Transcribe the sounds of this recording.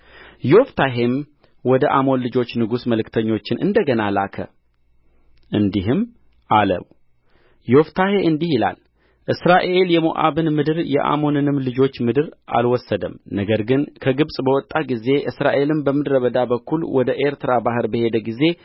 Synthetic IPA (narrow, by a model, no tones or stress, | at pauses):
jo̞ft̪ʰaɦe̞m | wɔd̪əʔamo̞nlɨd͡ʒo̞t͡ʃːnɨɡusməlɨkt̪ʰəɲːo̞t͡ʃːɪnʔɨ̰nd̪əɡənalakʰə̰ | ʔɨnd̪iɦɨm | ʔalə̰β | joft̪ʰahe̞ʔɨnd̪ihila̰l | ʔɨsɾaʔee̞ljɛmo̰ʔa̰βɨnmɨd̪ɨɾjɛ̰ʔa̰mo̞nɨnɨmlɨd͡ʒo̞t͡ʃːmɨd̪ɨɾʔa̰lwɔsːəd̪əmnəɡəɾɡɨnkʰəɡɨβsʼbəwɔt̪ʼːaɡize̞ʔɨsɾaʔe̞lɨmbəmɨd̪ɾəβəd̪abəkʰːulwɔd̪əʔe̞ɾt̪ɨɾabaɦɨɾbəhe̞d̪əɡize̞